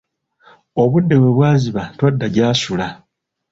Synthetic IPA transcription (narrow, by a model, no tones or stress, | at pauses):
o̞βudːe̞βwe̞βwaːziβatwadːaɟaːsula